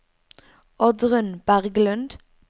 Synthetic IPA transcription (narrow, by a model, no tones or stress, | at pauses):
ɔd̪ʁʉnb̥æʁɡlʉnd̪